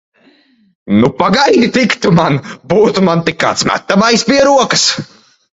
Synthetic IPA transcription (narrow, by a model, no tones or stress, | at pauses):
nupaɡajnit̪ikt̪umanbuːt̪umant̪ikːa̰ːt̪smæ̰t̪ːamajspʲiɛɾuɔkɨ̥s